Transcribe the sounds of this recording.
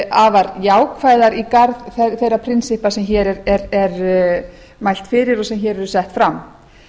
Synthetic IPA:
avaɾjaːwkfajðaɾikaɾðθɛθejɾːapʰɾɪnsɪhpasɛmçɛːɾɛɾɛɾɛɾ | majl̥t̪fɪːɾɪɾɔsɛmçɛːɾɛɾʏsɛht̪fɾamː

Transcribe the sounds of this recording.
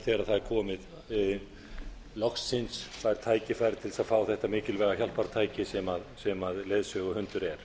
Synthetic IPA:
θɛːɾaðθaðɛɾkʰɔːmɪð | lɔxsɪnsfaɛɾ̥t̪ʰaːjcɪfajɾt̪ʰɪlsaðfaːwθɛht̪amɪːcɪlvɛːɣaçjal̥paɾt̪ʰaːjcɪsɛmaðsɛmaðleːðsœɣʏhʏnt̪ʏɾɛɾ̥

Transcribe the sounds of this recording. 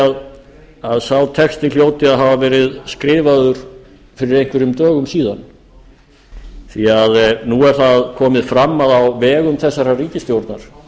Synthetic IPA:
að | aðsawt̪ʰɛkst̪ɪljoːwt̪ɪaðɦavavɛːɾɪðskɾɪːvaðʏɾ̥ | fɪɾɪɾejŋkvɪɾʏmt̪œːɣʏmsiːðan | θiaðnuɛɾ̥θaðkʰɔːmɪðfɾamːaðawvɛːɣʏmθɛsːaɾariːcɪst̪jowɾt̪naɾ̥

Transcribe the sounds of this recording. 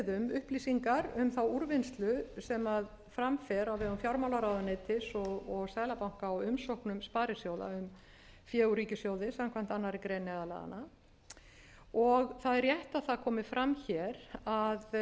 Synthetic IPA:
ðʏmʏhpliːsiŋkaɾʏmθawuɾvɪnst̪lʏsɛmað | fɾamfɛɾawvɛːɣʏmfjawɾmawlaɾaːwðʏnɛːt̪ɪsɔɣɔɣsaːjlapawŋ̥kaːwʏmsowhknʏmspaːɾɪsjoːwða̰ʏm | fjɛːuɾiːcɪsjoːwðɪsamkʰvam̥t̪anːaɾɪkɾeːnːɛðala̰ða̰na | ɔɣθaðɛɾjɛht̪aðθaðkʰɔːmɪfɾamːçɛɾað

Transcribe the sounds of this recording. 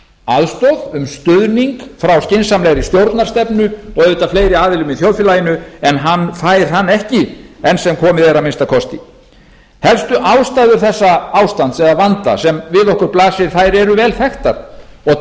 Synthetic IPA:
aðst̪ɔðʏmst̪ʏðniŋkfɾawscɪnsamlɛɣɾist̪jowɾt̪naɾ̥st̪ɛpnʏɔɣʏːt̪afleːjɾɪaːðɪlʏmiθjɔwðfɪlaːjɪnʏɛnɦanːθaːjɾ̥θanːɛhcɪɛnsɛmkʰɔːmɪðɛɾamɪnst̪akʰɔst̪i | hɛlst̪ʏʔaːwst̪aːjðʏɾ̥θɛsːaaːwst̪ant̪sɛðavant̪a̰sɛmvɪðɔhkʏɾplaːsɪɾ̥θajɾɛɾʏvɛːlθɛxt̪a̰ɾɔ

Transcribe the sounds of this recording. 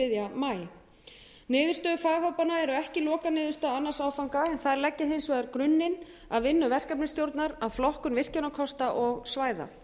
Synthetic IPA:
ɪðjamaːj | nɪːðʏɾ̥st̪œðfaːjɦowpanaɛɾʏɛhcɪlɔːkanɪːðʏɾ̥st̪aanːasaːwfawŋkaɛnθaðɾlɛcːɪɦensvajðaɾkɾʏnːɪn | aðvɪnːʏvɛr̥kɛpnɪst̪jowɾt̪naɾaðflɔhkʏnvɪr̥cɛnakʰɔst̪aʔɔɣsvaːjða̰

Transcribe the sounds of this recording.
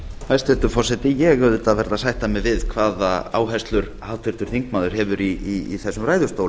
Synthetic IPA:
fajst̪ɛt̪ʏfɔrsɛt̪ɪjɛɣœðʏt̪aðvɛɾðasajht̪amɪvɪðkʰvaːðaa̰ːwɦɛst̪lʏɾ | haːwt̪ʰɪɾ̥t̪ʏɾ̥θiŋkmaːðʏɾ̥ɦɛvʏɾiiːθɛsːʏmɾaːjðʏ̥ɾst̪oːwl

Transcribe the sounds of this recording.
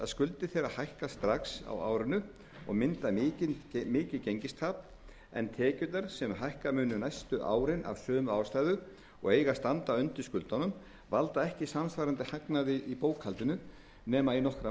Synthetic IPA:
a̰ðskʏlt̪ɪθejɾahajhkast̪ɾaksa̰wa̰ːwɾɪnʏ | ɔ̰ɣmɪnt̪aɪːcɪnmɪːcɪlcejɲcɪst̪ʰaːp | ɛ̰nt̪ʰɛːcʏt̪aɾsɛmɦajhkamʏːnʏnajst̪ʏʔa̰ːwɾɪna̰vsœːmʏaːwst̪aːjðʏ | ɔɣejɣast̪ant̪aʏnt̪ɪɾ̥skʏlt̪anʏm | valt̪aɛhcɪsamsfvajɾant̪ɪhaknaðɪʔipoːwkhalt̪ɪnʏ | nɛːmainɔhkɾa

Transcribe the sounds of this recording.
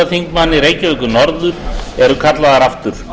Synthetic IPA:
aθiŋkmanːɪɾeːjcɪvɛkʏnɔɾðʏɾɛɾʏkʰat̪laðaɾaft̪ʏɾ̥

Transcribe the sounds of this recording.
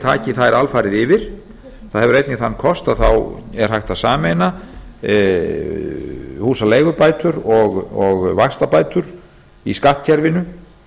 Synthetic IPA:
t̪ʰaːcɪθaɛɾalfaːɾɪðɪvɪɾ̥ | θaðhɛvʏɾejt̪nɪθanːkʰɔst̪aðθawɛɾ̥ɦajxt̪asaːmeːjna | huːsaleːjɣʏɾpaːjt̪ʏɾɔɣɔɣvaxst̪apaːjt̪ʏɾ̥ | iskaht̪cʰɛɾvɪnʏ

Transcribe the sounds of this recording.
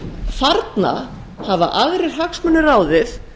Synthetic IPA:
faɾt̪na̰ | hava̰ʔaɣɾɪɾ̥ɦaksmʏnːʏraːwðɪθ

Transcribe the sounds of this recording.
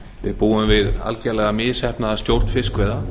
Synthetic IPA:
vɪ̰ðpuːʏmvɪða̰lcɛɾlɛɣamɪːðsɛhpnaðast̪jowɾ̥t̪n̥fɪskʰvɛːða

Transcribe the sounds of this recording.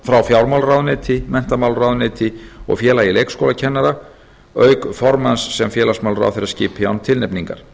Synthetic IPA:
fɾawfjawɾmawlrawðnɪːt̪ʰɪmɛn̥t̪amawlrawðnɪːt̪ʰɪɔ̰ɣfjɛːlajɪlejkskowlacʰɛnːaɾa | œːɥkfɔɾmansːɛmfjɛːlasmawlra̰wθɪɾascɪːpɪa̰nt̪ʰɪlnɛpniŋka̰ɾ̥

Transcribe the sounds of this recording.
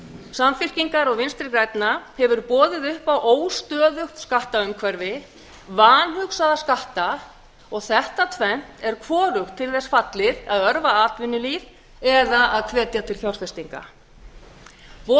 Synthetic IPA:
samfɪr̥ciŋkaɾɔɣvɪnst̪ɾɪkɾajt̪nahɛvʏɾpɔːðɪðʏhpawʔoːwst̪œːðʏxskaht̪aʏmkʰvɛɾvɪ | vaːnɦʏksaðaskaht̪a | ɔɣθɛht̪at̪ʰvɛn̥t̪ɛɾ̥kʰvɔːɾʏxt̪ʰːɪlθɛsfat̪lɪðaðœɾvaaːt̪vʏnːʏlið | ɛðaaðkʰvɛːt̪jat̪ʰɪlθjaw̪sfɛst̪iŋka̰ | vɔ

